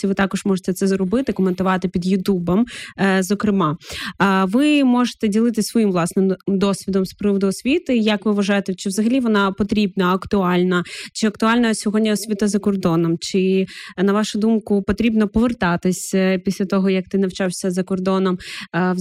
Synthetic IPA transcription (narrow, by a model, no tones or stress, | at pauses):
iʋɪt̪ɑkɔʒmɔʒet̪ɛt̪sɛzrɔbɪt̪ɪkɔment̪ʊʋɑt̪ɪpʲid̪jʊt̪ʲubɔmzɔkɾɪmɑ | ʋɪmɔʒe̥t̪ɛdʲilˠɪt̪ɪsʋɔjimʋlˠɑsnɪmd̪ɔsʲʋʲid̪ɔmspɾɪʋɔd̪ʊɔsʲʋʲit̪ɪjɐkʋɪʋɐʒɑjet̪ɛt͡ʃɪʋzɐɦɐlʲiʋɔnɑpɔt̪ɾʲibnɐɐkt̪ʊɑlʲnɐt͡ʃɪɐkt̪ʊɑlʲnɐsʲɔɦɔdʲnʲɐɔsʲʋʲit̪ɐzɐkɔrd̪ɔnɔmt͡ʃɪnɐʋɑʃʊd̪umkʊpɔt̪ɾʲibnɔpɔʋert̪ɑt̪ɪsʲpʲisʲlʲɐt̪ɔɦɔjɐk̚t̪ɪnɐwt͡ʃɑwsʲɐzɐkɔrd̪ɔnɔm